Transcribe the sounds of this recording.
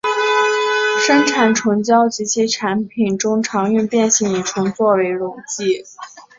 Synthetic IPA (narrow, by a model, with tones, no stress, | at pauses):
ʂə˥nʈ͡ʂʰa˨˩nʈ͡ʂʰʊ˧˥ŋt͡ɕjɑ˥ʊt͡ɕi˧˥t͡ɕʰi˥ʈ͡ʂʰa˧˥npʰi˨˩nʈ͡ʂʊ˥ŋʈ͡ʂʰɑ˧˥ŋy˥˧npjɛ˥˧nɕi˧˩ŋi˨˩ʈ͡ʂʰʊ˧˥ŋt͡swɔ˥˩we˧˥ɪɻʊ˨˩ŋt͡ɕi˥˩